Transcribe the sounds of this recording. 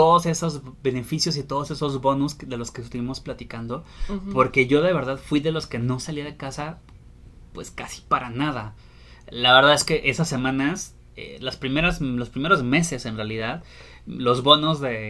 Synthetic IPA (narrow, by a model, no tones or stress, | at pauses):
t̪o̞ðose̞sozbe̞ne̞fisjo̞s̬it̪o̞ð̞ose̞so̞zβo̞nusðe̞lo̞skest̪uβimosplat̪ikand̪o̞po̞ɾke̞ʝo̞ðe̞β̞e̞ɾðaðfwiðe̞lo̞ske̞no̞saliaðe̞kasa | pwe̞skasi̥paɾʔanað̞a | laβeɾðaðe̞ske̞ʔe̞sasːe̞mãnas | ḛlaspɾime̞ɾazlo̞spɾime̞ɾo̞zme̞sese̞nrealiðað | lo̞zβo̞nozðe̞